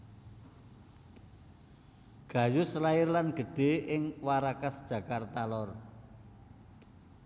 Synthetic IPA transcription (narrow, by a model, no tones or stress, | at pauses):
ɡ̥ä̤jʊslaɪrlanɡ̥ə̤ɖ̥e̤ʔɪŋwaɾakasd̥ʒ̥ä̤kart̪alɔr